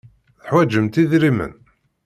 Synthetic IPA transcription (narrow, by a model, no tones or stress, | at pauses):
θəħwæd͡ʒəmt̪iðɾimə̰n